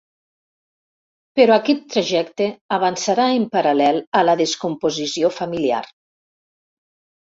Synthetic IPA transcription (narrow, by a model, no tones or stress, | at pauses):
peɾɔakɛt̪ːɾaʒɛkt̪eaβansaɾaempaɾalɛlˠələðeskumpozisiofamilia̰r